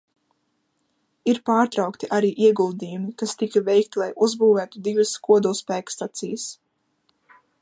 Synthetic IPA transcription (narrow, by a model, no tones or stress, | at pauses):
iɾpaːɾt̪ɾawkt̪iʔaɾiːʔiɛɡulˠd̪iːjumikast̪ikavɛjkt̪ilˠajʔuzbuːvæːt̪ud̪ivəskuɔd̪ulˠspæːkst̪at̪sijəs